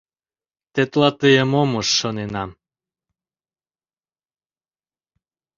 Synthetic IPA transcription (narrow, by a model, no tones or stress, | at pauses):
t̪et̪lˠɑt̪ɨjemomɤʃːonenɑm